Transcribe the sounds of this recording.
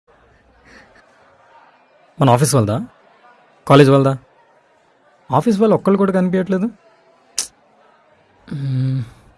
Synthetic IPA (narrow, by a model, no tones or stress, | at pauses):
mɐnɐaːpiːs̬ʋɐld̪aː | kaːleːd͡ʒʋɐld̪aː | aːpiːs̬ʋɐlːɔkːɐɭlukuːɽaːkɐnipijɐʈleːd̪u